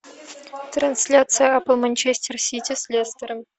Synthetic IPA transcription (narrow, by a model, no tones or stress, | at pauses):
t̪ransʲlʲat̪sɨjəapəlˠmanʲt͡ɕesʲtʲersʲitʲisʲlʲest̪ʲər